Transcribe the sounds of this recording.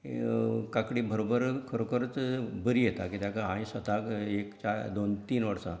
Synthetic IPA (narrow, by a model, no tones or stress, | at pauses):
kakɽibəɾobəɾkʰəɾokəɾət͡sbəɾijet̪akit̪jakaɦãĩsət̪akekt͡ɕad̪ont̪iːnʋəɽsã̰